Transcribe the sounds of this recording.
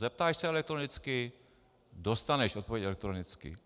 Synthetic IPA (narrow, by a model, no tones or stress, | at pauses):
zɛp̚t̪aːʃsɛɛlɛk̚t̪ɾonɪt͡skɪ | dost̪anɛʃʔot̪̚povjɛɛlɛk̚t̪ɾonɪt͡skɪ̰